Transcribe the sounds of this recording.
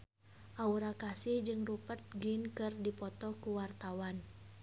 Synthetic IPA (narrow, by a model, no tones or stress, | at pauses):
ʔauɾakasihd͡ʒɨŋrupət̪̚ɡɪnkɨrdipɔt̪ɔkuwart̪awan